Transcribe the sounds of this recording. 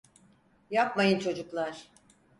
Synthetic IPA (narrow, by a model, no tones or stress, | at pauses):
japmajɯnt͡ʃʰo̞d͡ʒuklˠaɾ̥